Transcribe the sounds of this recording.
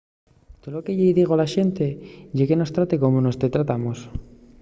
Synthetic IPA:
t̪olokeʝejðiɣ̞olaʃe̞nt̪eʝekeno̞st̪ɾat̪ekomono̞st̪e̞t̪ɾat̪amos

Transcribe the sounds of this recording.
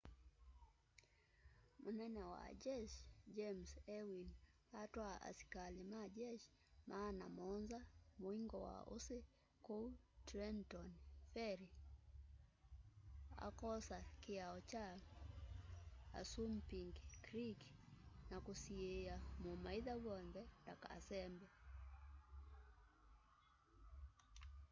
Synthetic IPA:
munɛnɛwa̰d͡ʒɛʃd͡ʒɛmsɛwin | atwaa̰si̥kalimad͡ʒɛʃ | mʔaːnamɔnzamwiŋɡɔwa̰ṵsi | kɔtɾɛntɔnfɛɾi | a̰kɔsakiaɔt͡ʃa | a̰sumpiŋɡkɾiknakusiɛamumaiðaɡɔndɛtaka̰sɛmbɛ

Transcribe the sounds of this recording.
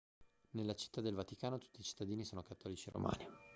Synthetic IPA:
nelːat͡ʃi̥t̪ːad̪ːelvat̪ikaːnot̪u̥t̪ːiːt͡ʃi̥t̪ːad̪iːnisoːnokat̪ːɔːlit͡ʃiɾo̰ma̰ːni

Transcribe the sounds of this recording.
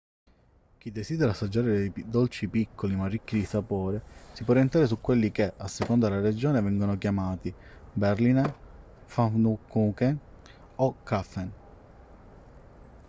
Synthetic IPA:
k̟id̪ːesiːd̪eɾasːad͡ʒːaːɾed̪ejd̪ɔlt͡ʃipikʰːolimarːikːid̪isapoːɾesipwɔrient̪ɾaːɾes̬ukːwelːikeʔasːekɔnd̪elaɾed͡ʒoːnevɛŋɡonok̬jamaːt̪i | beɾliːn | fanukːukɛ | ɔkːafɛn

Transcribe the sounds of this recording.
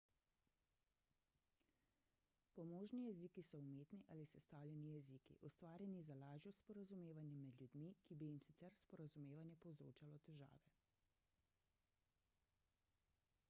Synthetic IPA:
pɔmoːʒnijɛzikisɔumeːt̪niʔaːlisɛst̪awlʲjɛnijɛziːkḭʔust̪ʋaːɾjɛnizalaːʒjɔspɔɾazumeːʋanjɛmɛd̪ljud̪mikibijimsit̪sɛɾspɔɾazumeːʋanjɛpɔwzɾo̰ːt͡ʃalɔt̪ɛʒa̰ːʋɛ

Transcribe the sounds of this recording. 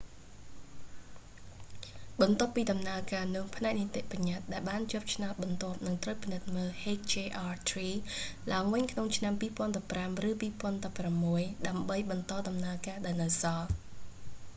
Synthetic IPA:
ɓɑnt̪ŏəpːiːɗɑmnaəkaːnʊ̆əŋpʰnaɛk̚nit̪eʔpaɲat̪̚ɗaɛlɓaːnt͡ɕŏəp̚t͡ɕʰnaɔt̪̚ɓɑnt̪ŏəp̚nɨŋt̪rəwpinɨt̪̚məːlheːkt͡ɕeːʔaːt̪ʰriːlaəŋʋɨɲkʰnoŋt͡ɕʰnampiːpŏənɗɑpːramrɨːpiːpŏənɗɑpːramːuəjɗaəmɓəjɓɑnt̪ɑːɗɑmnaəkaːɗaɛlnɨwsɑːl

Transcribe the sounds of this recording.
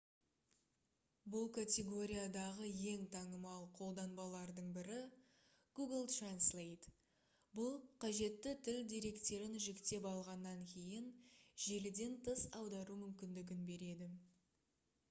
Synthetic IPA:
bʊlˠkʰat̪ʲe̞ɡo̞ɾʲijad̪ɑʁəje̞ŋt̪ʰɑɴəmɑlˠqʰo̞lˠd̪ɑnbɑlˠɑɾd̪əɴbɪɾɪ | ɡ̥uɡəlˠt̪ranslˠejt̪ | bʊlˠqʰɑʒe̞t̪ːɪt̪ʰɪld̪ʲiɾe̞kt̪e̞ɾɪnʒɪkt̪e̞pɑlˠʁɑnːɑŋkʲʰe̞jɪnʒe̞lɪd̪e̞nt̪ʰəsɑwd̪ɑɾumʏmkʲɪnd̪ɪɡʲɪnbe̞ɾe̞d̪ɪ

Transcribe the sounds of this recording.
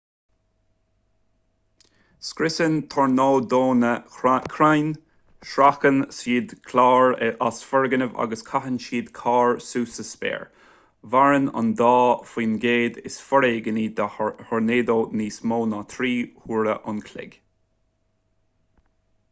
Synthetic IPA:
skɾɪsənt̪ʰɔɹnoːd̪oːnəkʰɾajn | ʃɾakənsiːd̪kʰlaːɹɛʔasfɔɹɡənəva̰ɡəskʰaɦənʃiːd̪kʰɑːɹsuːsəspɛ̰ːɹ | vaɹənʊ̰nd̪ɑːfiːnɡeːd̪ɪsfɔɾeːɡəniːd̪hɔɹneːd̪oːniːsmoːnɑːt̪ʰɾiːhuːɾəʔʊnkʰlɪ̰ɡ̥

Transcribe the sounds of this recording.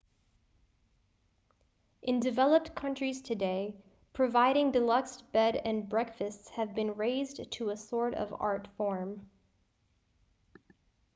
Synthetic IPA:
ʔɨ̃ndɨvɛlˠəp̚t̚kʰʌ̃nt͡ʃɹ̥iz̥tʰɨdeɪ | pʰɹ̥ɨvaɪɾɪ̃ŋdɨlʌksb̥ɛɾɨ̃nbɹɛkfɨstshɨvbɨ̃nɹeɪztʰəəsɔɹɾʌ̰vɑ̰ɹtfɔɹm

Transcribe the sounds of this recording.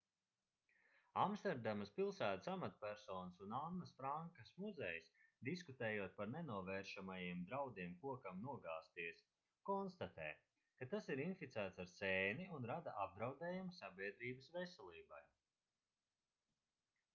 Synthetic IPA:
amst̪ɛɾd̪amaspilˠsæːt̪ə̥samat̪pʲæɾsɔːnsunanːɐsfɾaŋkasmuzɛjsd̪iskut̪eːjuɔt̪̚paɾnenuɔvɛːɾʃamajiɛmd̪ɾawd̪iɛmkuɔkamnuɔɡaːst̪iɛs | kɔnst̪at̪ɛ̰ː | kat̪asiɾinfit̪sæːt̪saɾsɛːniunɾad̪aʔab̚d̪ɾawd̪ɛːjumsabʲiɛd̪ɾiːbəsvesɛlˠiːba̰j

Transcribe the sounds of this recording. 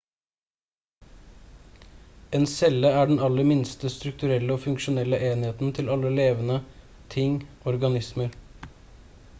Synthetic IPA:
eːnsɛləæːɖɛnɑləɾmɪnst̪əst̪ɾʉk̚t̪ʉɾɛləoːfʉŋʃʊnɛlːəʔeːnɪheːt̪n̩t̪ʰɪlɑlːəleːʋənə | t̪ʰɪŋ | ɔɾɡɑnɪsməɾ

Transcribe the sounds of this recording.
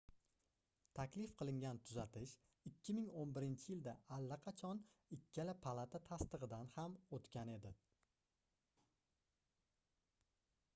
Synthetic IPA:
t̪ʰakʲlɪfqʰɨlˠɪŋɡʲant̪ʰʊzat̪ʰɪʃ | ɪkʲʰːɪmɪŋonbɪɾɪnt͡ʃʰɪjɪld̪aʔːlːaqʰɑt͡ʃʰɒnɪkʲʰːalapʰalˠat̪ʰat̪ʰast̪ɨʁɨd̪anhamot̪kʲane̞d̪ɪ

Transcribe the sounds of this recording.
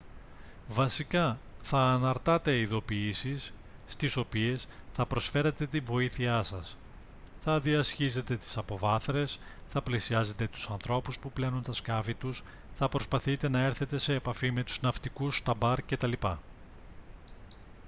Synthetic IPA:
vɐsikɐθɐːnɐɾt̪ɐt̪e̞iðo̞piisisː | t̪iso̞pie̞sθɐpɾo̞sfe̞ɾet̪e̞t̪iɱvo̞iθiɐsɐs | θɐðiɐsçize̞t̪e̞t̪i̥sɐpo̞vɐθɾe̞sθɐplisiɐze̞t̪e̞t̪u̥sɐnθɾo̞puspuple̞nunt̪ɐskɐfit̪us | θɐpɾo̞spɐθit̪e̞nɐe̞ɾθe̞t̪e̞se̞ːpɐfime̞t̪u̥znɐft̪ikust̪ɐbɐɾce̞t̪ɐlipɐ

